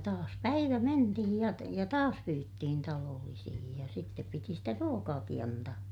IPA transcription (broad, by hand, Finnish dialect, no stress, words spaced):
tɑːs pæiʋæ mentihij jɑ jɑ tɑːs pyːtːihin tɑloːlːisihij jɑ sitːep piti sitæ ruokɑːki ɑntɑː